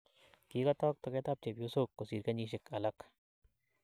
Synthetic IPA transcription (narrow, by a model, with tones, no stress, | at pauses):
kiː˨kat̪ɔː˦k̚t̪o˨ke˦t̪ap̚t͡ʃe˨pjosoː˦kːo˨siː˨ɾkɐ˦niː˦ʃ̬ɪ˨kɐ˨lɐk